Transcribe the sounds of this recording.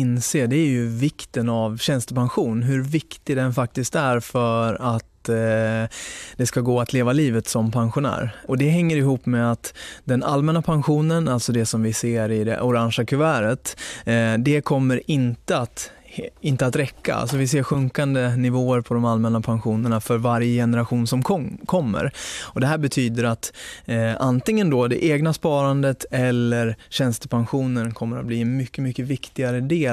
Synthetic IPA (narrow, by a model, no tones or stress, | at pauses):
ɪnseːɖ̪ɛæɾjɵvɪkt̪ənavɕɛnst̪əpʰanɧuːnɦɵɾvɪkt̪ɪɡd̪ɛnfak̚t̪ɪskt̪æɾfœɾat̪ | d̪̥ɛskaɡoːat̪ʰleːvaliːvət̪sɔmpʰanɧʊnæ̰ːɾɔd̪ɛɦɛŋːəɾɪɦuːpːmɛat̪d̪ɛnʔalmɛnapʰanɧuːnənalt̪sɔd̪ɛsɔmvɪseːɾɪd̪ɛ̰ʔʊɾanʂakʰɵvæːɾət̪ | d̪ɛkʰɔmːəɾɪnt̪əat̪ | ɪnt̪əat̪ɾɛkːa̰a̰lsɔvɪs̬eːɾɧɵŋkand̪ənɪvoːəɾpʰɔd̪ɔmalmɛnːapʰanɧuːnəɳafœɾvaɾjəjɛnəɾaɧuːnsɔmkʰɔmːə̰ɾɔd̪ɛɦæːɾbɛt̪ʰyːd̪əɾat̪ | ant̪ɪŋːənd̪ɔd̪ɛ̰ʔeːɡnaspɑːɾand̪ət̪ɛlːəɾɕɛnst̪əpʰanɧuːnənkʰɔmːəɾat̪̚bliːɛnmʏkːəmʏkːəvɪkt̪ɪɡaɾəd̪eː